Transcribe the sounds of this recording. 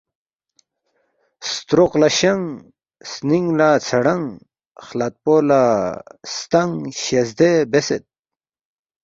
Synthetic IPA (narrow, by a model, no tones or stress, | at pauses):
st̪ɾoqlaɕɐŋ | sniŋɡlat͡sʰɐɽɐŋ | χlat̪̚poːlast̪ɐŋɕezd̪ebeset̪̚